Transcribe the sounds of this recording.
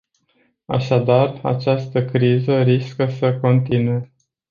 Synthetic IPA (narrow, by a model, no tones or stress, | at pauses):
a̰ʃad̪ara̰t͡ʃast̪əkɾizəɾiskəsəko̞nt̪inue